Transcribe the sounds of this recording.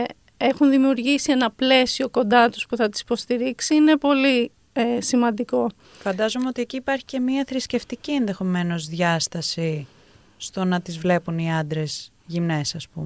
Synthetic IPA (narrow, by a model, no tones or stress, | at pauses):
exunðimiuɾʝisie̞nɐple̞sio̞ko̞nd̪ɐt̪u̥spuθɐt̪i̥si̥po̞st̪iɾiksiine̞po̞li | simɐnd̪iko̞ | fɐnd̪ɐzomeo̞t̪ieciːpɐɾçi̥ce̞miɐθɾisce̞ft̪icie̞nðe̞xo̞me̞no̞zðʝɐst̪ɐsi | st̪o̞nɐt̪izvle̞puniɐnd̪ɾe̞z | ʝimne̞sɐspume